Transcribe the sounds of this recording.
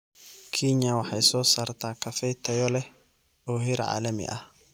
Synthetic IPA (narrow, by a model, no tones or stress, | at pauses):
kʰiːɲːawɐħaɪsoːsɐɾt̪aːkɐfɛt̪ʰːɐjɔlɛ | oːhɪɾɐ̰ʕa̰ːlɐmɪ̰ʔɐ